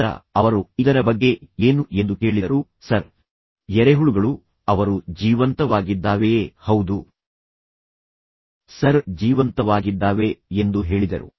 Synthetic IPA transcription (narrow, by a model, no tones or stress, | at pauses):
ɾɐ̰ɐʋɐɾuid̪ɐɾɐbɐɡːe̞eːnuend̪uke̞ːɭid̪ɐɾu | sɐɾ | jɛɾeɦuɭuɡɐɭu | ɐʋɐɾud͡ʒiːʋɐnt̪ɐʋaːɡid̪ːaːʋehɐwd̪u | sɐɾd͡ʒiːʋɐnt̪ɐʋaːɡid̪ːaːʋe̞end̪uɦe̞ːɭid̪ɐ̰ɾṵ